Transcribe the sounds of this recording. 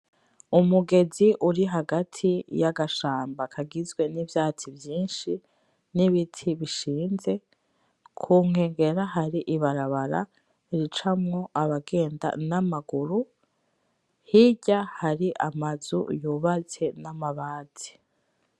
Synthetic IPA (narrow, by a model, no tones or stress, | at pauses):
umuɡe̞ziʔuɾiɦaɡatʰijaɡaʃaːmbakʰaɡizɡwe̞nivjaːt͡sivjiːnʃi | niβitʰiβiʃiːnze̞ | kʰuːŋ̥e̞ːŋɡe̞ɾaɦaɾiʔiβaɾaβaɾa̰ | ɾit͡ʃamŋo̞ʔaβaɡe̞ːnda̰namaɡuɾu | hiɟahaɾiʔamazṵjuβat͡se̞namaβaːzi̥